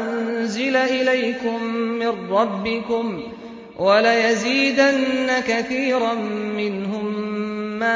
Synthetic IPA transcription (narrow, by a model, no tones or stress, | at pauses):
nzɪlaʔɪlajkʊmːɪnɾːɑbːɪkʊm | walajaziːd̪anːakaθiːɾamːɪnhʊmː | aː